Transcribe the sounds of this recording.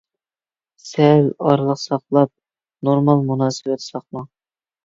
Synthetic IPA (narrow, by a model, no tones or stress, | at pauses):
sɛlɑɾlˠəqsɑqlˠɑp̚ | noɾmɑlˠmunɑːsɨwɛt̪ʰsɑqmɑŋ